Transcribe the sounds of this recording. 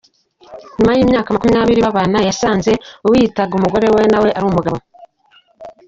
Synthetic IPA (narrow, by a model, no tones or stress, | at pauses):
ɲumajiːmɲaːkamakumijaːβiɾiβaβaːnajasaːnze̞uwiːtaɡumuɡo̞ɾe̞we̞nawe̞ʔaɾuːmuɡaβo